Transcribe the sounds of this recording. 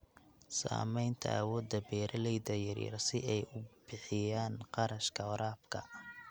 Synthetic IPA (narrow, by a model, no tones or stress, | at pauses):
sa̰ːmɛjnt̪ʰɐ̰ʔɐwɔːd̪ɐbɛːɾɐlɛjdɐjɐ̰rjɐ̰rsɪʔɛjʊb̥ɪħɪjaːnqɑɾɐʃkʰɐɔɾaːbkʰɐ̰